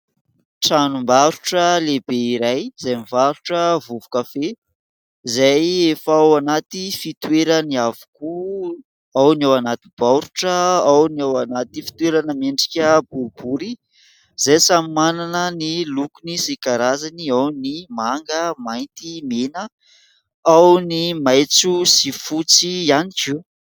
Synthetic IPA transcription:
ʈ͡ʂanumbaɾuʈ͡ʂəlebeiɾajz̥ajmivaɾuʈ͡ʂəvuvu̥kafe | zajefawanat̪ifit̪weɾəniavu̥ku | awniawanat̪ib̥aɾuʈ͡ʂəawnawanat̪ifi̥t̪weɾanəmeɳɖ͡ʐi̥kʲəbuɾbuɾi | z̥ajsamimananənilukunisikaɾazaniawnimaŋɡəmajnt̪imenə | awnimajt͡susifut͡sianit͡ʃiw

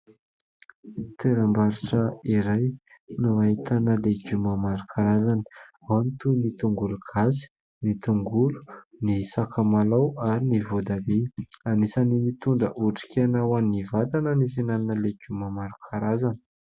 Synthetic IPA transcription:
t̪ʰeɾambaɾiʈ͡ʂəiɾaj | nuaɦit̪anəleɡumamaɾukʰaɾazani̥ | awanit̪unit̪uŋɡulukʰasi̥ | nit̪uŋɡulu̥nisakamalawaɾinivod̪abeanisanimit̪unɖ͡ʐə̰ʔuʈ͡ʂi̥kʲanawanivat̪anənifinaninəleɡumamaɾukʰaɾazani̥

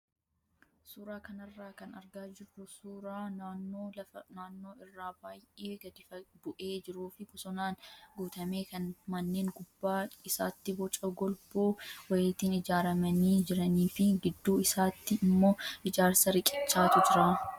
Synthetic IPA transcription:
suːɾaːkɐnɐrːaːkɐnɐɾɡaːd͡ʒɪrːʊsuːɾaːnaːnːoːlɐɐnaːnːo̞ːɪrːaːbaːjʔeːɡɐd̪ɪfɐbʊʔe̞ːd͡ʒɪɾuːfɪkɔsɔnaːnɡuːt̪ɐme̞ːkɐnmɐnːe̞ːŋɡʊbːaːɪsa̰ːt̪ːɪbɔt͡ʃʼɐɡɔlboːwɐjeːt̪iːnɪd͡ʒaːɾɐmɐniːd͡ʒɪɾɐniːfɪɡɪd̪ːuːɪsaːt̪ːɪɪmːo̞ːɪd͡ʒaːɾsɐɾɪkʼɪt͡ʃːaːt̪ʊd͡ʒɪɾaː

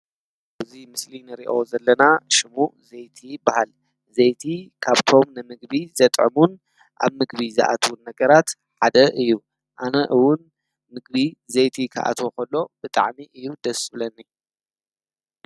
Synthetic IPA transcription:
bɨzimɨslinɨɾiʔo̞zɐlːɐnaʃɪmuʔzejt̪ʰibahal | zejt̪ʰikʰaβt̪ʰo̞mnɨmɨɡbizɐt̪ʼʕɨ̰mun | ʔa̰βmɨɡbizɐ̰ʔa̰t̪ʰwunːɐɡɐɾat̪ | ħad̪ɐʔɨjːu | ʔanɐʔɨwʊn | mɨɡbizejt̪ʰikʰa̰ʔa̰t̪ʰokɐlːo̞bɨt̪ʼa̰ʕmiʔɨjːud̪ɐsbɨlɐnːi

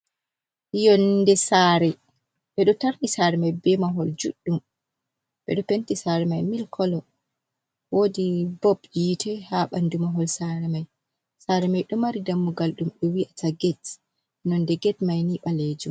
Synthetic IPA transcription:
jɔndɛsaɾɛ | ɓɛɗɔtaɾnisaːɾɛmajbɛmaɦɔld͡ʒuɗːum | ɓɛ̰ɗɔpɛntisaːɾɛmajmilkʰɔlɔ | wodibɔbjiːtʰɛhaɓandumaɦɔlsaɾɛmaj | saːɾɛmajɗɔmaɾidamːuɡalɗumɓɛwiʔataɡɛt | nɔndɛɡɛtmajniɓaled͡ʒum

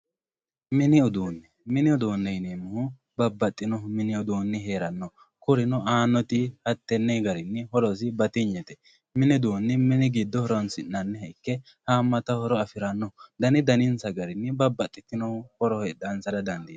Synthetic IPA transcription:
mɪnɪʊd̪uːnːɛ | mɪnɪʊd̪uːnːɛjneːmʊhʊ | bɐbːɐt̪ʼːɪnɔmɪnɪʊd̪uːnːɛɦe̞ːɾɐnːɔ | kʊɾɪnɔaːnːɔt̪ɪhɐt̪ːɛnːɛjɡɐɾɪnːɛhɔɾɔs̬ɪbɐt̪ɪɲːɛt̪ɛ | mɪnɪd̪uːnːɛmɪnɪɡɪd̪ːɔhɔɾɔnsɪnːɐnːɛhɐɪkːɛ | haːmːɐt̪ɐhɔɾɔɐfɪɾɐnːɔd̪ɐnɪd̪ɐnɪnsɐɡɐɾɪnːɛbɐbːɐt̪ʼːɪt̪ːɪnɔhɔɾɔhɛdɐnsɐdɐd̪ɐnd̪iːd̪

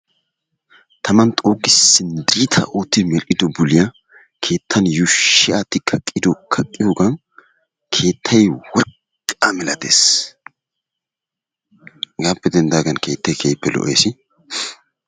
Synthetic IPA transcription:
t̪ʰɐmɐnt̪ʼoːkːɪsːɪnd̪ɪɾit̪ʰɐ̰ʔoːt̪ːɪmɛlkʼɪd̪ɔbʊlɪjɐ | kʰe̞ːt̪ʰːɐnjʊʃːɪat̪ɪkʰɐkʼːɪd̪ɔkʰɐkʼːɪjoːɡɐn | kʰe̞ːt̪ʰːɐjwɔɾkʼː | amɛlɐt̪ḛːs | ɡaːpːɛd̪ɛnd̪aːɡɐnkʰe̞ːt̪ːɐjkʰejpːɛlɔ̰ʔḛːsɪ

